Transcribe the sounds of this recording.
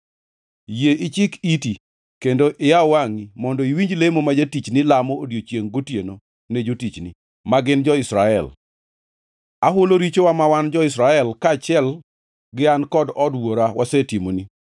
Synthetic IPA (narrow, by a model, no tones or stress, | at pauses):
jeʔɪt͡ʃɪkiti | kendoʔɪawaŋimɔndɔiwiɲd͡ʒlemomad͡ʒatit͡ʃnɪlamoodjot͡ʃjeŋɡotjeno | ned͡ʒotit͡ʃnḭ | maɡɪnd͡ʒɔɪsɾaɛ̰l | aɦʊloɾit͡ʃowamawand͡ʒɔɪsɾaɛlkat͡ʃɛl | ɡɪankɔdɔdwoɾawasɛtimoni